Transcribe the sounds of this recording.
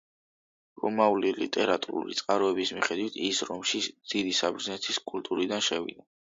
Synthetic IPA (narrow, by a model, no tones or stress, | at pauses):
ɾɔmaulilḭt̪ʼɛɾat̪ʼṵɾṵlit̪sʼqʼaɾɔɛbismiχɛd̪wit̪ʰisɾɔmʃid̪̥id̪isabɾznɛt̪ʰiskʼult̪ʼuɾid̪anʃɛvḭd̪a